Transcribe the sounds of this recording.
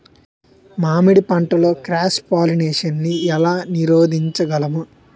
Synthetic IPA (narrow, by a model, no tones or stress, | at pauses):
maːmiɽipɐɳʈɐlo̞ːkɾaːspaːlineːʂɐnːiɛlaːniɾoːd̪ʱiɲt͡ʃɐɡɐlɐmu